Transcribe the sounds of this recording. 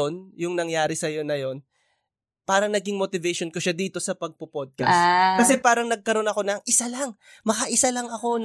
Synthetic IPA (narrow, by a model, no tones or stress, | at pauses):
onjʊŋnɐŋjaːɾɪsɐjo̞nɐjo̞n | paːɾɐŋnɐɡɪŋmot̪ɪvɛjʃonkoʃad̪iːt̪o̞sɐpɐɡ̚popod̪̚kɐskɐsɛpaːɾɐŋnɐɡ̚kɐɾo̞nɐko̞nɐŋʔɪsalɐŋ | mɐkɐʔɪsalɐŋɐko̞n